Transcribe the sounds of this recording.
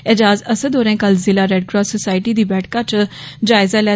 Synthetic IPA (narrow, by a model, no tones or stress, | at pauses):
ɪd͡ʒaːzəsəd̪oːɾẽːkəlzɪlaːɾɛɖ̚ɡɾɔːsosaːɪʈiːd̪iːbɛːʈʰkãːt͡ʃd͡ʒaːɪzaːlɛː